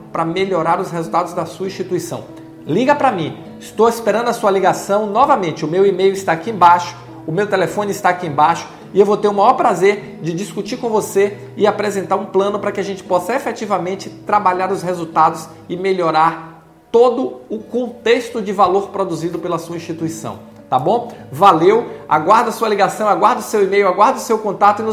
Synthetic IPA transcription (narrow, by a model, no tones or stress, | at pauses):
pɾɐmeʎoɾaɾʊshezuwt̪ad̪ʊzd̪ɐsuɐĩʃt͡ʃit̪uisɐ̰̃w̃ | liɡɐpɾɐmĩ | ɪst̪owispeɾɐ̃nd̪ʊɐsuɐliɡasɐ̃w̃nɔvɐmẽnt͡ʃɪʊmewimejʊist̪aakiẽbaʃʊ̥ | ʊmewt̪elefõnɪist̪aːkiẽbaʃʊ̥ | ɪewvowt̪eɾũmajɔɾpɾazeɾ | d͡ʒɪd͡ʒiskut͡ʃiɾkõvose | ɪapɾezẽnt̪aɾũplɐ̃nʊpɾɐkɪaʒẽnt͡ʃɪ̥pɔsɐefet͡ʃivɐmẽnt͡ʃɪt̪ɾabaʎaɾʊshezut̪ad̪ʊs | ɪmeʎoɾaɾ | t̪od̪ʊʊkõt̪est̪ʊd͡ʒɪvaloɾpɾod̪uzid̪ʊpelɐsuɐĩsʃt͡ʃit̪uisɐ̰̃w̃ | t̪abõvalewa̰ɡwaɾd̪ɐsuɐliɡasɐ̃w̃aɡwaɾd̪ɐʊsewimejʊaɡwaɾd̪ɐʊsewkõt̪at̪ʊinʊ